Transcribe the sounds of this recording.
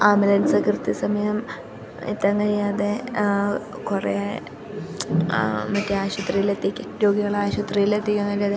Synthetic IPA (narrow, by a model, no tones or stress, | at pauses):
aːmɐlɐnsɐkrɨt̪isɐmɐjɐm | ḭt̪ːɐŋɡɐɾiɐðe | kurḛ | mɐtːeaːɕɐt̪rijilet̪ːikʲːɨɾo̞ːɡiɣɐɭaːɕut̪rijilet̪ːikʲːɐŋːɡɐɾijaðe